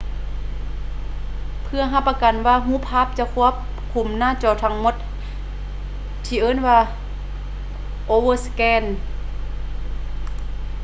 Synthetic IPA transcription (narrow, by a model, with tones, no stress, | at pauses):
pʰɯ˧ɐɦa˧˩pːa˧ka˨˩nwaː˧˩ɦuː˧˥˨pʰaː˧˥˨p̚t͡ɕa˧˦kʰu˧˥˨əp̚ | kʰu˨˩mnaː˧˥˨t͡ɕɔː˧˩˨t̪ʰa˧˥ŋmo˧˦t̪̚ | t̪ʰiː˧˩ʔɤː˧˥˨nwaː˧ | ʔoː˧wɤː˧˨skɛː˧˨n